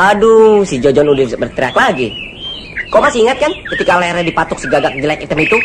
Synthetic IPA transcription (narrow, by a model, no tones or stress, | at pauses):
adusid͡ʒɔd͡ʒɔnudɪbərt̪ɾiaklaɡi | kɔmasiŋat̪̚kankət̪ikalaɛrɲadipat̪ʊk̚səɡaɡak̚d͡ʒəlakit̪əmit̪u